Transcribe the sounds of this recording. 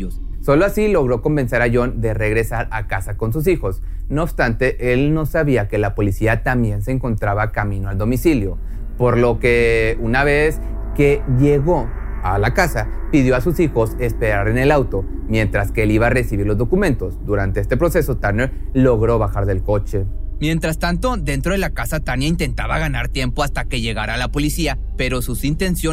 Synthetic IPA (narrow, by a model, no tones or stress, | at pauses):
so̞loasilo̞ɣɾo̞ko̞mbe̞nse̞ɾaʝo̞nd̪e̞re̞ɣɾe̞saɾakasako̞ns̬us̬ixo̞snoːbst̪ant̪e̞ʔe̞lno̞saβiake̞lapo̞lisiat̪ambje̞ns̬e̞ːŋko̞nt̪ɾaβakamĩnoald̪o̞misiljo̞ | po̞ɾlo̞ke̞unaβ̞e̞s | ke̞ʝe̞ɣo̞ | alakasa | piðjo̞asusixo̞se̞spe̞ɾaɾe̞ne̞lawt̪o̞ | mje̞nt̪ɾaske̞eliβare̞siβiɾlozðo̞kumẽ̞nt̪o̞zd̪uɾant̪e̞est̪e̞pɾo̞se̞so̞t̪anelo̞ɣɾo̞βaxaɾðe̞lko̞t͡ʃe̞mje̞nt̪ɾast̪ant̪o̞d̪e̞nt̪ɾo̞ðe̞lakasat̪anjaint̪e̞nt̪aβaɣanaɾt̪je̞mpo̞ast̪ake̞ʝe̞ɣaɾaːlapo̞lisia | pe̞ɾo̞susint̪e̞nsjo